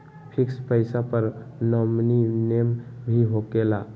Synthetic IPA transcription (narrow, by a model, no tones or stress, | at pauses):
pʰikspəɪsapəɾnəmninembʱiɦoɡela̰